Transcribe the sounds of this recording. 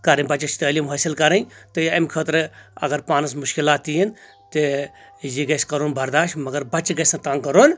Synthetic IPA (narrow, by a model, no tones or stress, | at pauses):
kɐɾɐ̃nbɐt͡ʃɐt͡ʃʰt̪əːliːmɦɐːsilkɐɾɐnt̪ɨɐmkʰəːt̪ɾɐ̰ɡɐɾpaːnɐs̬mʊʃkilaːt̪ːijin | t̪ɨ | jiɡɐskɐɾoːnbɐɾd̪aːʃmɐɡɐɾbɐt͡ʃɡɐsɐ̃t̪ãːŋkɐɾoːn